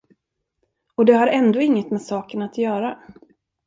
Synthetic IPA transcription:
ɔd̪ɛhaɾɛnd̪oːɪŋːət̪mɛsɑːkənat̪jœːɾa

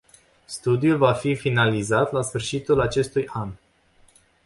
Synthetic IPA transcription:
st̪ud̪iulvafifinalizat̪lasfɨrʃit̪ulat͡ʃe̞st̪ujʔan

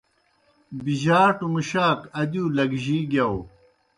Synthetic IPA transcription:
biʑaːʈumuɕaːkɐd̪uːlɐɡʑiːɡjɐw

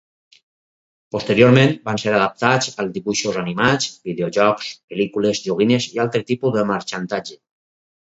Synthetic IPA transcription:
post̪əɾjoɾmẽnbanseɾað̞əp̚t̪ad͡zəlˠzd̪iβuʃozanimat͡sbiðeoʒɔkspelikulezʒoɣ̞inezialˠt̪ɾət̪ipuðəməɾt͡ʃant̪ad͡ʒe

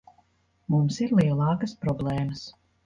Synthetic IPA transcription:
mumsiɾlˠiɛlˠɑːkəspɾɔblˠɛːməs

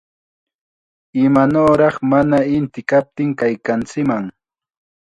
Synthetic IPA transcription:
ɪmanoːɾɑχmanaɪnt̪ɪkap̚t̪ɪŋkajkant͡sɪkmaŋ

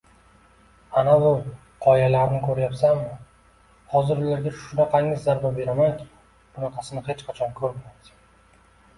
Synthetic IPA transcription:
anabʊ | qʰɒjalaɾɪnɪkʲʰɵɾjapsamɪ | hɒzɪɾʊlaɾɡʲaʃʊnɑqʰɑŋɪzːaɾbabe̞ɾamajd̪ɪ | b̥ʊnɑqʰɑsɪnɪhe̞t͡ʃqʰat͡ʃʰɒnkʰɵɾmajd̪ɪ̥

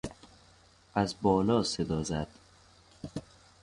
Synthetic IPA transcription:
æzbɒːlɒːsed̪ɒːzæd̪̥

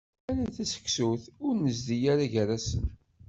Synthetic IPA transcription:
æɾæθæsə̥kːsuθʊɾnəzd̪ijaɾaʝəɾasən

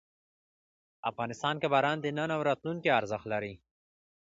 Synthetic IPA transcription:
afɣɑnɪst̪ɑnkabaɾɑnd̪ənənawɾɑt̪lunkiaɾzəxt̪laɾi

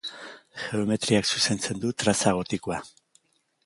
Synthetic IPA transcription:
xe̞ome̞t̪ɾiaksuse̞nt͡se̞nd̪ut̪ɾasaɣ̞o̞t̪ikoa

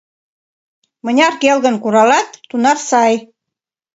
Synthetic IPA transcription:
mə̆nʲɑrkelɣə̆nkuɾɑlɑt̪ːunɑfsɑj

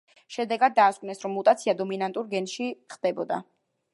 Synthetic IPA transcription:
ʃɛd̪ɛɡad̪̚ːaːskʼvnɛsɾɔmːut̪ʼat̪sʰiad̪ɔminant̪ʼuɾɡɛnʃiχd̪̥ɛbɔ̰d̪a̰

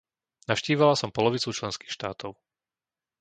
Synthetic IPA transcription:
nafʃciːʋalasɔmpɔlɔʋit͡sut͡ʃlɛnski̥ːxʃt̪aːt̪ʰɔʊ

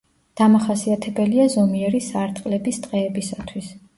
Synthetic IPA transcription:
d̪̥amaχasiat̪ʰɛbɛliazɔmiɛɾisaɾt̪ʼqʼlɛbist̪ʼqʼɛːbisat̪ʰwis

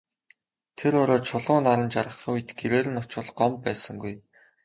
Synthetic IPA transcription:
t̪ʰeɾʊɾɔːt͡ɕʰʊɮʁʊːnaɾə̆nt͡ɕaɾə̆χuj̆t̪ɡeɾeːɾɘ̆nʊt͡ɕʊ̆ɮɢɔmpæːsə̆ŋɡuj

